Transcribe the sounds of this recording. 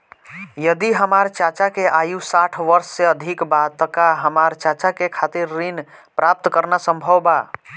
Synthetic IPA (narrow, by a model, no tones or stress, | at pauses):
jəd̪iɦəmaɾt͡ʃat͡ʃakeʔajusaʈʰʋəɾsːeəd̪ʱikbat̪ːəkaɦəmaɾt͡ʃat͡ʃakekʰat̪iɾːinpɾap̚t̪kəɾnasəmbʱəwba